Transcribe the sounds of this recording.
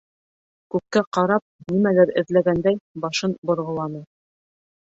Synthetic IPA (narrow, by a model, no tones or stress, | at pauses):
kʉp̚kːæqɑɾɑp̚nimælæɾɘ̰̆ðlæɡænd̪æjbɑʃɤnbŏɾʁɤ̆lˠɑnɤ